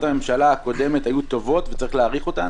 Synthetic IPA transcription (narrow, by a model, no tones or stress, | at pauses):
tamemʃalaako̞de̞metajut̪o̞vo̞tvet͡saʁiχleaʁiχo̞t̪a